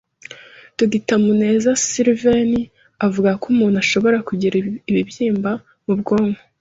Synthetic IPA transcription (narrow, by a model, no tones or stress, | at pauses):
tuɡitamune̞ːzasiɾveni | avuɡakumuːn̥uaʃo̞βo̞ɾakuɟiɾiiβibjiːmba | mubɡoːŋɡo